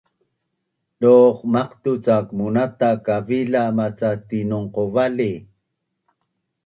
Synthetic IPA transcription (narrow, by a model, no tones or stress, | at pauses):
doχmaqt̪ut͡sakmunat̪akavilamat͡sat̪inoŋqovali